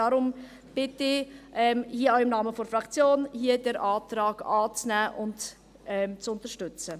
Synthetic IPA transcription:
ɑːɾʊm | b̥ɪtɪʔɛmhiəaʊɪmnɑːməfoɾfɾɑkt͡sjoːnhiədəɾʔaːtɾɑːɡ̥ɑːt͡snæːʔʊnt | ɛmt͡sʊntəɾʃtʏt͡sə

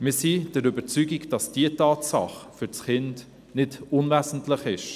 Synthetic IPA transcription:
mɪsid̥ɛɾʏbət͡syːɡiɡd̥ɑsd̥iətɑːtsɑχfʏɾt͡sχɪnd | nɪdʊnvæːsn̩tləχɪʃ

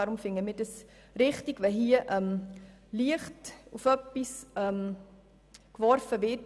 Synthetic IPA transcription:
ɑɾʊmfɪŋəmɪd̥əs | ɾɪχtiɡvɛɦiəʔɛm | liəχtufœpːisɛm | kvɔɾfəvɪt

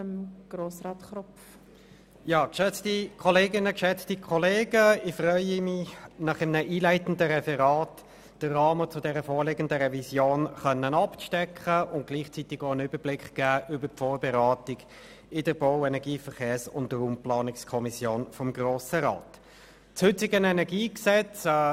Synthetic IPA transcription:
mɡ̥ɾoːsɾɑːtχɾɔf | jɑːkʃɛt͡stikʰɔleːɡɪnəkʃɛt͡stikʰɔleːɡəɪfrʁœʏəmɪnɑχɪmnəʔiːlæɪtn̩dəʁɛfɛʁɑːt | d̥ərɑːmət͡sʊdɛʁəfoːɾlɪɡəndəʁɛvisjoːnχœnːənɑpʃtɛkχəʊnt̚ɡ̥liːχt͡sitɪɡoənʏbəblɪkχɡ̥æːʔʏbəpfɔːɾbɛʁɑːtɪɡ | ɪdəɾb̥oʊɛnɛɡiːfəʁχeːsʊ̰ndəɾʊmplɑːnɪkskʰɔmisjoːnfɔmɡroːsəʁɑ̰ːt | t͡shʏt͡sɪɡənɛnɛʁɡiːksɛt͡sː

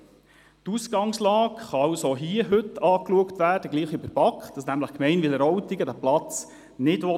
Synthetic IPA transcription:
tusɡ̥ɑŋslɑːkχɑɑwsoɦiəɦɵtɑːkluəktʋæːrd̥əɡliːχybəɾb̥ɑkχd̥ɑsnæmləχkmɛɪnʋɪlɛɾɔwtiɡədæplɑt͡s | nɪdʋɔ

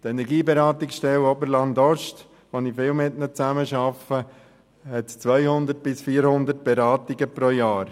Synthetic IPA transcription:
tɛnɛɾɡiːbɛɾɑːtɪksʃtɛwobəɾlɑndɔʃt | ʋonifɪːlmɪtnət͡sæməʃɑfə | hɛtt͡sʋœjhʊndət̚b̥ɪsfiːɾhʊnd̪ət̚b̥ɛɾɑːtiɡəpɾojɑːɾ

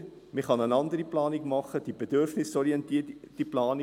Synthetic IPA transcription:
miχɑnənɑndəɾiplɑːnikmɑχəd̥ibədørfnɪsɔɾiɛntiːd̥iplɑːn

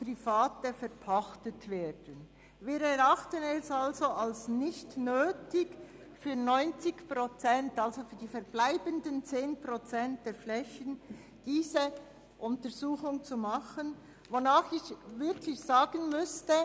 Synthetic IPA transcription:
prifaːtəfɛʁpʰaχtətveːd̥ən | viːɾɛɾaχtənɛsalzoʔalsnɪçtnøːtɪɡ | fyːnɔʏnt͡sɪçpʁot͡sɛntalzofyːɐdiːfɛɾblaɪbəndənt͡seːnprot͡sɛnt̚d̥eːflɛçən | d̥iːzə | ʔʊntəɾzuːxʊŋt͡sumaχən | vonaːχɪçvɪʁkʰlɪçz̥aːɡ̥ənmʏstə

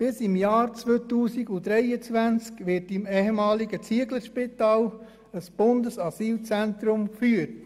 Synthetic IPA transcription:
b̥ɪsɪmjɑːɾt͡sʋøːt̪uːsiɡud̥̪ɾɛjət͡sʋænt͡skʋɪɾtɪmɛhɛmɑːliɡət͡siəɡləɾʃpitɑːl | əsb̥ʊndəsɑsiːlt͡sænt̪ɾʊmkfyːət

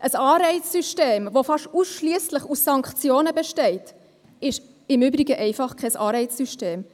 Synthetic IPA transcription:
ʔəsɑːɾɛɪt͡ssyʃteːmʋofɑʃusʃliəsləχusːɑŋkχt͡sjoːnəbɛʃtɛɪt | ɪʃ | ɪmʏbɾiɡəʔɛɪfɑχkʰɛsɑ̰ːɾɛɪt͡ssyʃteːm

